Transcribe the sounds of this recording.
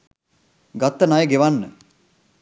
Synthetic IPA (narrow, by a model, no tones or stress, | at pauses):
ɡat̪ːənajəɡeʋanːə